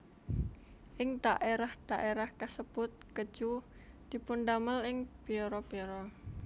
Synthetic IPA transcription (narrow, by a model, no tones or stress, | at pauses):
ʔɪŋd̪̥aʔeɾahd̪̥aʔeɾahkasəb̥ʊt̪̚kə̥d͡ʒ̥u | d̪̥i̤pʊnd̪aməlɪŋb̥eɾɔb̥iɾɔ